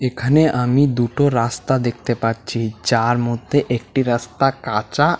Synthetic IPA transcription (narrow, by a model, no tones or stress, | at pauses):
ekʰaneʔamid̪uʈoɾast̪ad̪ek̚ʰt̪epaɾt͡ɕʰid͡ʑaɾmod̪ʱːeʔek̚ʈiɾast̪akat͡ɕa